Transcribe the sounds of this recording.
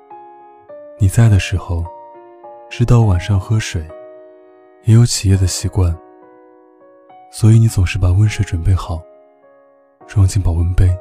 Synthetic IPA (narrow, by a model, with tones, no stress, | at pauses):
ni˨˩t͡sa˥˩ɪd̪ə˩ʂɻ̩˧˥xo˥˧ʊ | ʈ͡ʂɻ̩˥t̪ɑ˥˩ʊwa˨˩nʂɑ˥˩ŋxɤ˥ʂwe˨˩˦ɪ | jɛ˧˥jo˧˥ʊt͡ɕʰi˨˩jɛ˥˩d̪ə˩ɕi˧˥kwa˥˩n | swɔ˧˥i˧˥˦ni˧˥t͡sʊ˨˩ŋʂɻ̩˥˩pa˨˩wə˥nʂɤ˥˩ʈ͡ʂwə˨˩npe˥˩ɪxɑ˨˩˦ʊ | ʈ͡ʂu˥ɑ˥˧ŋt͡ɕi˥˩ŋpɑ˨˩ʊwə˧˥npe˥ɪ